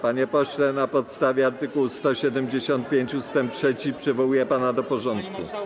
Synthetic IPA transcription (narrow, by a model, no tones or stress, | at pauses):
paɲɛpɔɕlɛnapɔt̪st̪avʲjɛaɾt̪ɘkuwst̪ɔɕɛd̪ɛmd͡ʑeɕɔnt̪̚pʲjeɲt͡ɕust̪ɛmp̚tʂɛt͡ɕipʂɘvɔwujɛpanad̪ɔpɔʐɔnt̪kṵ